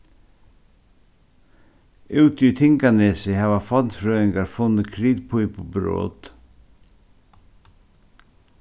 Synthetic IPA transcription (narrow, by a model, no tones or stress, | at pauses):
ʉːt̪ʏt̪ʰɪŋkaneːsɪhaːʋafɔnt̪fɾœːɪŋkaɾfʊnːəkʰɾiːðpʰujpobɾo̰ːt̪